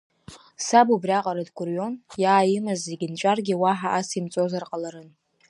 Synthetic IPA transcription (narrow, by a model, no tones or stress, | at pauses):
sabubrʲaqʼaɾadɡʷʊrjo̞njaːjimɨzeɡʲɪnt͡ʃʷʼarɡʲiwaħaʔasimt͡sʼozarqʼalaɾɨn